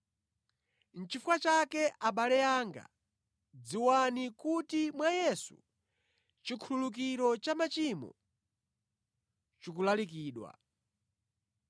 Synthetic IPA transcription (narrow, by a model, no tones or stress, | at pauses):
n̩t͡ʃifuwat͡ʃakɛʔaɓalɛjaːŋɡa̰ | d͡ziwanikutimwajɛsṵ | t͡ʃikʰululuk̬iɾɔt͡ʃamat͡ʃimɔ̰ | t͡ʃikulalikiːɗwa̰